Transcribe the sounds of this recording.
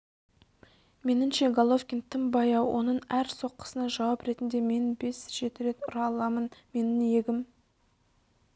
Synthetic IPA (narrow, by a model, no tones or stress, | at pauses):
me̞nɪmʃe̞ɡalˠofkʲint̪ʰɪmbɑjɑwʔo̞̰nəɴæɾso̞qːʰə̥sənɑʒɑwɑpɾe̞t̪ɪnd̪e̞me̞nbe̞sʒ̥e̞t̪ɪɾe̞t̪ʊ̰ɾɑlˠɑmənme̞nɪnje̞ɡʲɪm